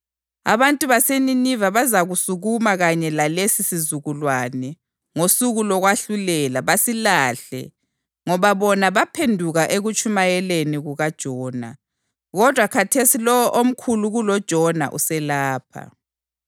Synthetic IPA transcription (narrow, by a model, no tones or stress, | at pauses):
a̰βantʼuβaseninivaβazaɣusuɣumaɣaɲɛlalesisizuɣulwanɛ | ŋosuɣulɔɣwaɬulɛlaβasilaːɬɛ̰ | ŋɔβaβɔnaβapʰendʱuɣaʔeɣut͡ʃʼumajɛleniɣuɣad̥ʒ̥ʱɔːna̰ | ɣɔd̥ʱwakʰatʰesilɔwɔʔom̩kʰuluɣulɔd̥ʒ̥ʱɔna̰ʔṵsɛlaːpʰa̰